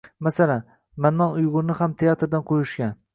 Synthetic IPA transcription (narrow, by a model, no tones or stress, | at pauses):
masalan | manːɒnʊjʁʊɾnɪhamt̪ʰejat̪ɾd̪anqʰojʊʃkʲan